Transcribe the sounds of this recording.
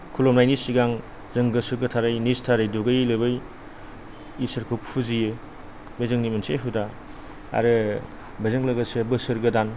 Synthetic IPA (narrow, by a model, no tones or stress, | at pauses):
kʰulɔmnajnisiɡaŋ | zɯŋɡɯsɯɾɡɯtʰaɾɯjnistʰaɾɯjduɡɯjlɯbɯj | isɯɾkʰup̚hʰuzijɯ | bejzɯŋnimɐnsʰeɦuda | a̰ɾɯ | bɐzɯŋlɐɡɐsɯbɯsɯɾɡɯdan